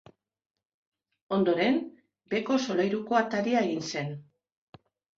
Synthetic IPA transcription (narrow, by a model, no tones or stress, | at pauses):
o̞nd̪o̞ɾe̞n | be̞ko̞so̞lajɾuko̞at̪aɾiae̞ɣinse̞n